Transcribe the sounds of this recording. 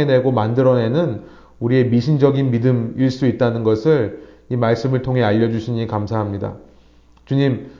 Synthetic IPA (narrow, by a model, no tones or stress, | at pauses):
ene̞ɡomandɯɾʌne̞nɯn | uɾie̞miɕʰind͡ʑʌɡinmidɯmiɭs͈uit̚t͈anɯnɡʌsʰɯɭ | imaɭs͈ɯmɯɭtʰoŋɦe̞aʎːʌd͡ʑuɕʰiɲikamsʰaɦamɲida̰ | t͡ɕuɲim